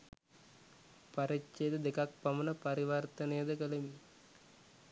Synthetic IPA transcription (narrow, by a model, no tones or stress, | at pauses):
pɐɾit͡ʃːed̪əd̪ekɐk̚pɐmɐnɐpɐɾiʋɐrt̪ɐnɐjɐd̪əkəlemi